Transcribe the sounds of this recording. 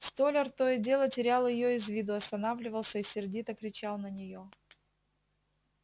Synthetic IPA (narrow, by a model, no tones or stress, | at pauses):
st̪olʲɪrt̪ojədʲe̞lˠətʲɪɾʲalˠjɪjo̞ɪzvʲid̪ʊɐst̪ɐnavlʲɪvəlˠsʲəisʲɪrdʲit̪əkɾʲɪt͡ɕalˠnənʲɪjo̞